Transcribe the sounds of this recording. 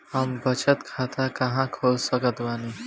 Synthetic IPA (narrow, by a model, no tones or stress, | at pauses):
həmbət͡ʃət̪kʰaːt̪ʰakəɦãkʰoːlsəkət̪ʋaːniː